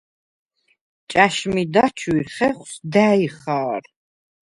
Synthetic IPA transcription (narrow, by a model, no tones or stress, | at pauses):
t͡ʃʼaʃmid̪at͡ʃʰwiɾχɛχʷsd̪æiχaːɾ